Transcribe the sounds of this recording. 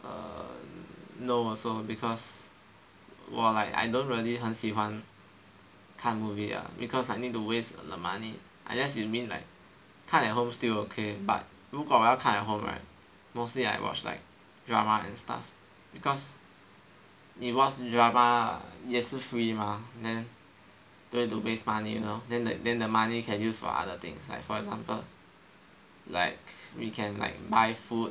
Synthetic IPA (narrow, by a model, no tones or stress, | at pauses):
ʔə̰ | nosobikʰɔs | wɔ̰laɪka̰jdõntɹiəliɦãnsiwãn | kʰãnmuvia̰bikʰɔslaɪk̚nit̚tuwesdəmani | ʔã̰nlɛsumĩnla̰ɪk̚ʰ | ãnɛt̚ɦõmstilokʰeba̰t̚ | wuɡɔwalkʰãnɛt̚ɦõma̰ɪt | moslia̰ɪwɔ̰t͡ʃla̰ɪk̚ | dɹamaɛ̰̃nsta̰f | bikʰɔs | it̚wɔt͡ʃdɹama̰jɛsufɹimadɛ̃n | d̥õĩtubesmanijṵnodɛ̃ndədɛ̃ndəmanikʰɛ̃njusfɔ̰ʔa̰dət̪ɪ̰̃ŋsla̰ɪkfɔɛkɡzãmpəl | la̰ɪkwikʰɛ̃nla̰ɪk̚baɪfut̚